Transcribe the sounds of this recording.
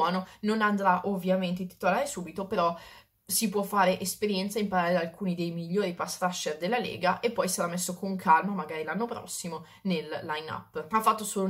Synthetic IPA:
ɔːnononand̪ɾaʔovːjament̪̬eit̪ːi̥t̪olaːɾesuːbit̪opeɾɔ | sipwɔfːaːɾeʔespeɾjɛnt̪saimpaɾaːɾed̪alkuːnid̪ejmiʎːoːɾipasɾaʃerd̪elːalḛːɡaʔepːɔjsaɾamːesːokoŋkʰalmamaɡaːɾilanːopɾɔ̰sːimo | nelːajna̰pːafːat̪ːosoːlo

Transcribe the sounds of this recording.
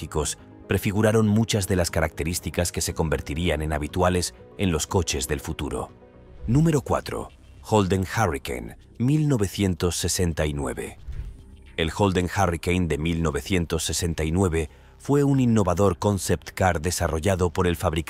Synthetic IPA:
iko̞s | pɾe̞fiɣ̞uɾaɾo̞nmut͡ʃazðe̞laskaɾak̚t̪e̞ɾist̪ikaske̞se̞ko̞mbe̞ɾt̪iɾiane̞naβ̞it̪wale̞s | e̞nlo̞sko̞t͡ʃe̞zðe̞lfut̪uɾo̞̰ | nũme̞ɾo̞kwa̰t̪ɾo̞̰ | xo̞ld̪eŋxarikḛjn | milno̞βe̞θje̞nt̪o̞sːese̞nt̪ainwe̞̰βe̞̰ | elxo̞ld̪e̞ŋxarikejnd̪e̞milno̞βe̞θje̞nt̪o̞sːe̞se̞nt̪ainwe̞βe̞ | fwe̞uninːo̞βaðo̞ɾko̞nse̞pt̪kaɾðe̞saro̞ʝaðo̞po̞ɾe̞lfaβɾik

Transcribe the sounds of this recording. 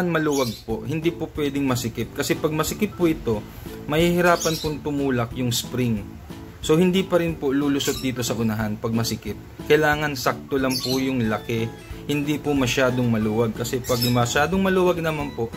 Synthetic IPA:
nmɐluwɐɡ̚poʔhɪnd̪ipopwɛːd̪ɪŋmɐsɪkɪt̪̚kɐsɛpɐɡ̚mɐsɪkɪt̪̚pʊʔɪt̪o̞ | mɐhiːhɪɾaːpɐnpoŋt̪ʊmuːlɐk̚jʊŋspɾiŋ | so̞hɪnd̪ipɐɾɪnpoluːlʊsot̪̚d̪iːt̪o̞sɐʔʊnɐɦanpɐɡ̚mɐsɪkɪt̪̚kɐjlaːŋɐnsak̚t̪olɐŋpʊjʊŋlɐkɛ | hɪnd̪ipʊmɐʃaːd̪o̞ŋmɐluːwɐɡ̚kɐsɛpɐɡ̚mɐʃaːd̪oŋmɐluwɐɡ̚nɐmanpoʔ

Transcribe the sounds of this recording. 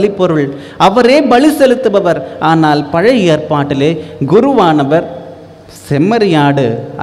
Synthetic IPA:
lɪpːɔɾɯɭ | ɐʋɐɾeːbɐɭisɛlɯt̪ːɯʋɐʋɐɾaːnaːlpɐɻɐeːrpaːʈːɪleːɡʊɾɯʋaːnɐʋɐɾ | sɛmɐɾɪjaːɽɯ̰

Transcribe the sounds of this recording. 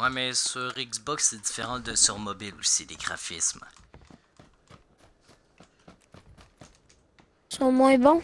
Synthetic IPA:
amɛsøʁiksbɔksɛd̪i̥feʁɑ̃d̪əsɔ̃mɔbilusid̪eɡʁa̰fism | sɔ̃mwɛ̃bɔ̃

